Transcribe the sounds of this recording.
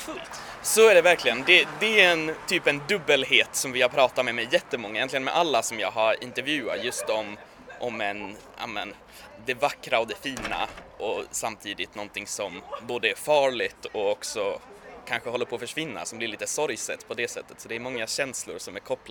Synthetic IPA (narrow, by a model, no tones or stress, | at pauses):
fɵlt̪ | sɔæɖɛvæɾklɪɡənd̪ɛd̪ɛɛnt̪ʰyːpɛnd̪ɵbːəlɦeːt̪sɔmvɪhaɾpʰɾɑːt̪amɛmɛjɛt̪ːəmɔŋːajɛnt̪lɪɡənmɛ̰ʔalːasɔmjɑːɡɦaɾɪ̰nt̪ɛɾvjʉ̟ːa̰t̪jɵst̪ɔm | ʔɔmɛn | ʔa̰mɛn | d̪ɛvakːɾaɔd̪ɛfiːna̰ʔɔsamt̪ʰiːd̪ɪt̪nɔnt̪ʰɪŋsɔmboːd̪əæɾfɑːɭɪt̪ɔɔksɔkʰanɧəhɔlːəɾpʰoːfœʂvɪnːa̰sɔmblɪɾɭiːt̪əsɔɾjsɛ̰t̪ːpʰɔd̪ɛsɛt̪ːə̥t̪sɔd̪ɛːɾmɔŋːaɕɛnslʊ̰ɾʂɔmæɾkʰɔpːl